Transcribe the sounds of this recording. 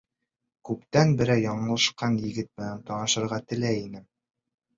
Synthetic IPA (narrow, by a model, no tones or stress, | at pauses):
kʉpt̪ænbɘ̆ɾæjɒɴɤ̆lˠɑʃqɑnjɘ̆ɡɘt̪̚mɘ̆nænt̪ɒnɑʃɤ̆ɾʁɑt̪ɘ̆læjinɘ